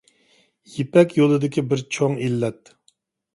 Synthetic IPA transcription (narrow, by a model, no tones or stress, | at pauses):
jepɛkʲjolˠɨd̪ɪkʲibɪɾt͡ʃʰoŋilːɛt̪̚